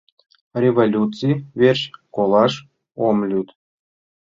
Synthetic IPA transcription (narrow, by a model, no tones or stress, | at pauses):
rʲevolʲut͡sɨjvʲerʲɕkolˠɑʂ | omlʲyt̪